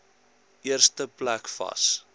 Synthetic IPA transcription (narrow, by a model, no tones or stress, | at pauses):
ʔiərstəplækfɐ̰s